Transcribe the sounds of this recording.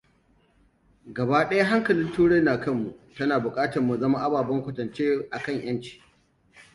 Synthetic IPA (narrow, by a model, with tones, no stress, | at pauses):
ɡɐ˨baː˦ɗɐ˦ja˦ɦa˦ŋkɐ˨lɪ˦ntuː˦ɽe˦naː˨kɐ˦mːu˨ʔtɐ˦naː˨bʊ˨kʼaː˦tɐ˨mmu˨zɐ˦ma˦ʔa˦baː˨bɐ˦ŋkʷʊ˨tɐ˨nt͡ʃeː˦ʔa˨kɐ˦˨ɲj̰ɐ˦nt͡ʃi̥ː˦